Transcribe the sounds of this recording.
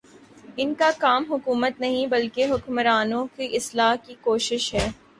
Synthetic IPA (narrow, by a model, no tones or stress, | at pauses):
ɪnkakaːmɦʊkuːmət̪nɐɦĩbɐlkeɦʊkmɾaːnõkiʔɪslaːɦkikoːʃɪʃɦɛː